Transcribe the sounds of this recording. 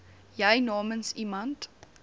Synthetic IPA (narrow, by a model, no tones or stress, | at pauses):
jəjnɑːmənsimɐnt